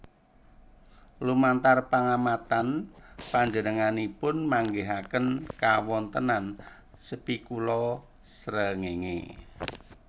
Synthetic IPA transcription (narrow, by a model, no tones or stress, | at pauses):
lumant̪arpaŋamat̪anpaɲd͡ʒənəŋanipʊnmaŋɡeɦakənkawɔnt̪ənan | səpikulɔ | sɾəŋeŋḛ